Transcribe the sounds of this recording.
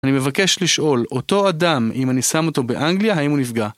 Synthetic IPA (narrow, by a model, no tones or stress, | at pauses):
anime̞vake̞ʃliʃʔo̞lo̞t̪o̞adamimanisamo̞t̪o̞be̞ʔaŋɡlijaɦaimunifɡa